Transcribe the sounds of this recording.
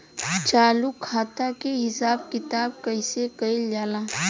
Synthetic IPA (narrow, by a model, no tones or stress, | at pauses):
t͡ʃaːlukʰaːt̪akeɦɪsaːb̚kɪt̪aːb̚kəɪsekəild͡ʒaːlã